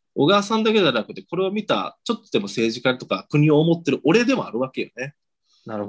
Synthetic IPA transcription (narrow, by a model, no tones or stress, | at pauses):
o̞ɡaːsãnd̪ake̞danakɯ̟t̪ːe̞ko̞ɾe̞o̞mʲit̪a̰t͡ɕo̞t̪ːod̪e̞mo̞se̞ːʑikait̪o̞kakɯ̟ɲ̟io̞ːmo̞t̪ːe̞ɾɯ̟ʔo̞ɾe̞d̪e̞mo̞aɾɯ̟βake̞jo̰ne | na